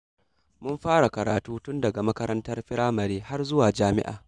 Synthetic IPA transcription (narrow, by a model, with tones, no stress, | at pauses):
mʊ˦mɸaː˦ɽa˨kɐ˨ɾa̰ː˨tuː˦tʊ˦ndɐ˨ɡa˨mɐ˦kɐ˦ɾɐ˦ntɐ˦rɸɪ˦ɽaː˦mɐ˨ɾeː˦ha˦rzʊ˦waː˨d͡ʒaː˦mɪ̰˦ʔa̰ː˨